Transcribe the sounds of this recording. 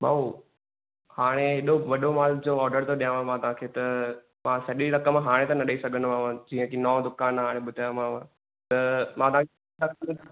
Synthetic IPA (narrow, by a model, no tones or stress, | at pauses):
ba̰ːo | haːɽ̃eɦeɗoʋɐɗomaːld͡ʑoɔːɾɖəɾt̪oɗijãːʋãmãːt̪ɐɦãːkʰeːt̪ɐ | mãsɐɗiɾɐkəmãɦaːɽ̃ẽt̪ãnɐɗəisɐɡʱənmãʋãd͡ʑĩːə̃kʰinɔ̃ːd̪ʊkãːnɦaːɽ̃ẽɓʊd̪ʱajãmãːʋã | t̪ɐmãːt̪ɐʋãkʰ | ɾɐkɐə